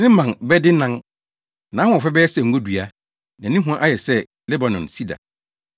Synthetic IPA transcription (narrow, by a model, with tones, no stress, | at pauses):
nɪ̃˦mã˨nbɛ˦dɪ˦nã˦n | nã˨˦hʊ̃˦ɔ˨fɛ˦bɛ˦ɛ˦sɛ˨ŋ̩˨ɡo˦dɥa˦ | nã˨nɪ̃˦ɦũ˦ã˦ʔa˦jɛ˨sɛ˦ | lɛ˦ba˨nɔ̃˨nsi˦da̰˨